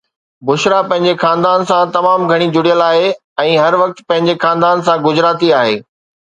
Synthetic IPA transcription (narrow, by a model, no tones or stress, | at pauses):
bʊʃɾapɐ̃ɦɪ̃ɲ̆d͡ʑexãːnd̪aːnsãt̪ɐmaːmɡʱɐɽ̃id͡ʑʊɽijəlaːɦe | ɛ̃ːɦɐɾʋɐk̚t̪pɐ̃ɦɪ̃ɲd͡ʑexãːnd̪aːnsãɡʊd͡ʑɾaːt̪iaːɦḛː